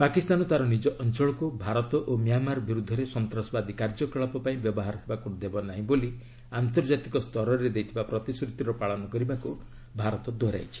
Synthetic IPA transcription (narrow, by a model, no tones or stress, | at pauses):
pakist̪anɔt̪aɾɔnid͡ʒɔʔɔnt͡ʃɔɭɔkubʱaɾɔt̪ɔʔomijamaɾɔbiɾud̪ʱːɔɾesɔnt̪ɾɔsɔbad̪ikaɾd͡ʒɔkɔɭɔpɔpaĩbjɔbɔɦaɾɔɦebakud̪ebɔnaɦĩboli | ant̪ɔɾd͡ʒat̪ikɔst̪ʰɔɾɔɾed̪ejt̪ʰibapɾɔt̪isɾut̪iɾɔpaɭɔnɔkɔɾibaku | bʱaɾɔt̪ɔd̪ɔɾa̰jt͡ʃʰi̥